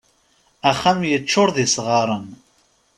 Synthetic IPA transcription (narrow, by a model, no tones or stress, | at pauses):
æχæmjət͡ʃːʊɾðisʁɑɾˤən